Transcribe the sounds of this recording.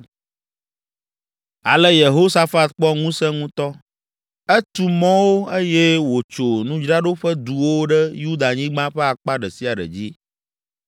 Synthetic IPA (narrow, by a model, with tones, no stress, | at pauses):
a̰˨lɛ˦je˨ɦo˦sa˦fa˦t̪k͡pɔ˦ŋũ˦sɛ̃˦ŋũ˦t̪ɔ˦ | ɛ˦t̪u˨mɔ̃˦wo˦e˦jɛ˦wo˨t͡ʃo˨nũ˦d͡ʒɾa˦ɖo˦ɸə˦d̪u˨wo˦ɖɛ˦ju˦d̪a˨ɲĩ˦ɡ͡bã˦ɸɛ˦a˨k͡pa˦ɖɛ˨si˦a˨ɖə̰˨d͡ʑi˦